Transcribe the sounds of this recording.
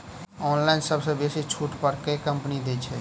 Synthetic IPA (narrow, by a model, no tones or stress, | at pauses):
ɔːnlaɪnsəbsə̃beset͡ʃʰuʈpəɾkekəmpnid̪et͡ʃʰɛ